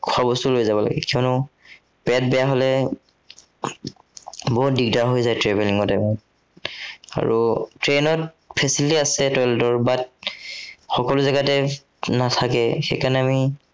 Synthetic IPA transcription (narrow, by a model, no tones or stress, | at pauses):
kʰʊabɔstʊlojzabɔla̰ɡɛ̰kiɔnʊ | pɛt̚bɛjaɦɔlɛ | bɔɦut̚dik̚daɦojzajtɹebɛliŋɔtɛmɔ | a̰ɹutɹenɔt | pʰɛsilitiasɛtɔjltɔɹbat̚ | xɔkɔlʊzɛɡatɛ | natʰakɛxḛjkanɛami